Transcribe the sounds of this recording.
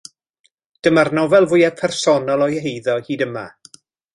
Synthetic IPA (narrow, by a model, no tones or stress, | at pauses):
d̥əmarnɔvɛlˠvʊjɛpʰɛrsɔnɔlˠɔjhejðɔhiːdəma